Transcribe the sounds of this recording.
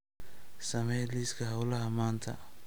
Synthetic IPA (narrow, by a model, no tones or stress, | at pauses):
sɐmɛjliːskʰɐɦɐwlɐɦɐmaːnt̪ʰɐ̰